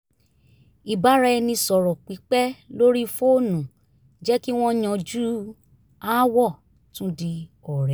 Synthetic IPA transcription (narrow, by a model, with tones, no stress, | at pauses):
i˨ba˨˦ɾɛ˧nĩ˧sɔ˨ɾɔ˨k͡pi˨˦k͡pɛ˦lo˦ɾi˦fo˦o˦˨nũ˨ | d͡ʒɛ˦ki˦w̃ɔ̃˦j̃ã˧d͡ʒu˦ | a˦wɔ˦˨ | tũ˦di˧ɔ˨ɾɛ˨˦